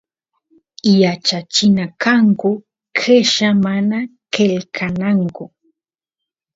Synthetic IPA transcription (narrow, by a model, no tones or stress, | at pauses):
jat͡ʃat͡ʃɪnakaŋkʊ | kʰeʃamanakelkʰanaŋkʊ